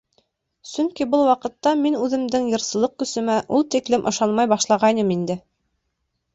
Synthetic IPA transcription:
sɵŋkibɤlˠwɑqɤ̆t̪ːɑminʉðɘ̆md̪ɘŋjɤ̆ɾsɤ̆lˠɤq̚kɵ̆sɵ̆mæʔulˠt̪iklɘmʔɤ̰̆ʃɑnmɑjbɑʃlˠɑʁɑjnɤmind̪ɘ

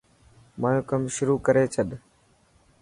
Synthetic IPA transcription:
maːjõːkəmʃʊɾuːkəɾeːt͡ʃʰəɗ

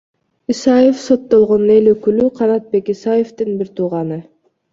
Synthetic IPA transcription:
isɑjefso̞t̪ːo̞lˠʁo̞nne̞løkylyqʰɑɾɑt̪̚be̞kisɑje̞ft̪ɯnbiɾt̪ʰuːʁɑnɯ

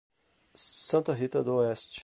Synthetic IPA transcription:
sɐ̃nt̪ɐɦit̪ɐd̪oɛst͡ʃ

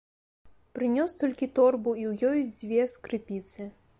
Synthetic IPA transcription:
pɾɨnʲɔst̪ɔlʲkʲit̪ɔrbuiwjɔjd͡zʲvʲɛskɾɨpʲit̪sɨ

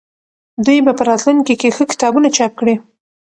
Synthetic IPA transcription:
d̪ujbapəɾɑt̪luŋkikexəkɪ̥t̪ɑbunat͡ʃɑp̚kɽi

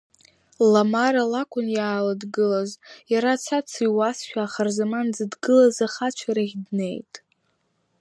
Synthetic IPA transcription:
lamaralakʷʼʊnjaːladɡɨlazjaɾat͡sʰat͡sʰiwasʃᶣaːχarzamand͡zadɡɨlazaχat͡ʃʷʰaɾaʁʲdne̞jtʼ

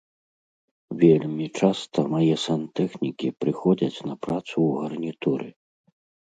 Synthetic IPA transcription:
vʲelʲmʲit͡ʂast̪ʰɐmajɛsant̪ɛxnʲikʲipɾɨxɔd͡zʲɐt͡sʲnɐpɾat̪suːɣɐrnʲit̪uɾɨ̰

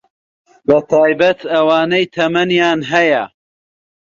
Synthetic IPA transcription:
bɐt̪ʰaːjbɐt̪ʰɐwaːnɐjt̪ʰɐmɐnjaːnɦɐjɐ

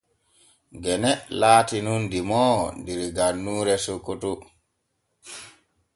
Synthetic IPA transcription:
ɡɛnɛlaːtinundimɔndiɾɡanːuːɾɛsokːotu

